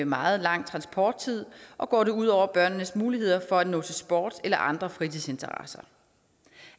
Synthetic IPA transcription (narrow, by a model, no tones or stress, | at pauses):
emɑ̈ːð̞̩ˠlɑ̈ŋ̰t͡sʰʁɑ̈nsb̥ʰɒːd̥̚t͡sʰið̞̰ˠʔɒ̽ɡ̥ɒ̰ːɾe̝uð̞̰ˠɒʊ̰ɐb̥ɶɐ̰nnəsmuːlihe̝ð̞̰ˠɐfɒ̽æd̥nɔ̰̽ːt͡sʰe̝lsb̥ɒ̰ːd̥elɐʔɑ̈nd̥ʁɐfʁit͡sʰise̝nt͡sʰɐʁɑ̰sɐ